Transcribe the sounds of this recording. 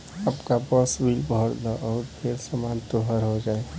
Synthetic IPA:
əpkabəswilbʱɔɾd̪aʔɔːɾpʰeɾsəmant̪oɦəɾɦod͡ʒaːe

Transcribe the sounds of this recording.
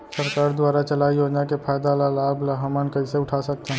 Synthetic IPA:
sɐɾkaːɾd̪waːɾat͡ʃɐlaːijoːd͡ʒnakepʰaːjd̪alalaːblaɦamənkɐiseʊʈʰasɐk̚t̪eɦɛ̃

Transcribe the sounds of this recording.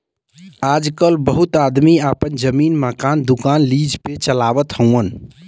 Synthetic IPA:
ad͡ʒkəlbəɦut̪ad̪miapənd͡ʒəmiːnməkaːnd̪ukanlid͡ʒpet͡ʃəlaʋət̪ɦə̃ən

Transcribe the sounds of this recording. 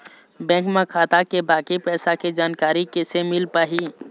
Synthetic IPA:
bɛ̃ːkmẽkʰaːt̪akebaːkipɛːsaked͡ʒaːnkaːɾikesemɪlpaːɦi

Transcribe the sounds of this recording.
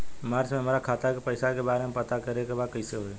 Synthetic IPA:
maːɾt͡ʃmẽɦəmaːɾakʰaːt̪akepəɪsakebaːɾemẽpət̪akəɾekebaːd̪̚kəɪseɦoe

